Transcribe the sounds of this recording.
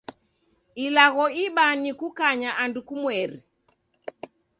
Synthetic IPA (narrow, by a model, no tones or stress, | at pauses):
ilaɣɔiɓanikukaɲaʔandukumwɛɾi